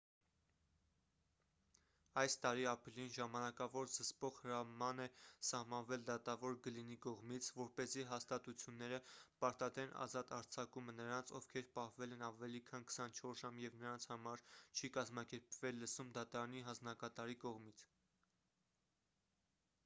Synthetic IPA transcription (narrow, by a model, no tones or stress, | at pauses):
ɑjst̪ɑɾiɑpɾilinʒɑmɑnɑkɑvɔɾzəspɔʁhəɾɑmɑnɛsɑhmɑnvɛld̪ɑt̪ɑvɔɾɡəlinikɔʁmit͡sʰvɔɾpɛziɦɑst̪ɑt̪ut͡sʰjunːɛɾəpɑɾt̪ɑd̪ɾɛnʔɑ̰zɑt̪ɑɾt͡sʰɑkumənəɾɑnt͡sʰɔvkʰɛɾpɑhvɛlɛnɑvɛlikʰɑnkə̥sɑnt͡ʃʰɔɾʒɑmjɛvnəɾɑnt͡sʰhɑmɑɾt͡ʃʰikɑzmɑkɛɾpvɛlːəsumd̪ɑt̪ɑɾɑn̪iɦɑnd͡znɑkɑt̪ɑɾikɔʁmit͡sʰ